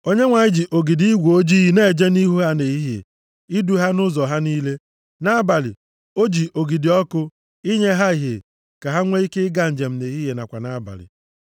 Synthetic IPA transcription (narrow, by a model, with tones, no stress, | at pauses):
o˦ɲe˦ŋʷa˨ɲɪ˦d͡ʒi˨ʔo˨ɡi˨di˦ɡʷo˦d͡ʒi˦ɦi˦ne˦˨d͡ʒe˦ni˦ɦu˦ɦa˦ne˨i˦ɦjḛ˨ | i˦du˨ɦa˦nʊ˦zɔ˨ɦa˦niː˦le˦ | na˦ba˨lɪ̰˨ | o˦d͡ʒi˨ʔo˨ɡi˨dɪ˨ɔ˦kʊ˦ | i˦ɲe˦ɦa˦i˨ɦe˨ | ka˨ɦa˦ŋʷe˦i˦ke˦ɪ˦ɡa˦n̩˨d͡ʒe˨m̩˨˦ne˨ɦi˦ɦe˨na˨kʷa˨na˦ba̰˨lɪ̰˨